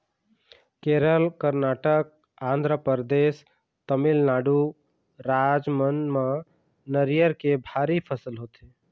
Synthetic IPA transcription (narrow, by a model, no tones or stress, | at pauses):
keɾəlkəɾnaʈək̚ | ãnd̪ʱɾəpəɾd̪es | t̪əmilnaɖu | ɾad͡ʒmənma | nəɾijəɾkebʱaɾipʰəsəlɦot̪e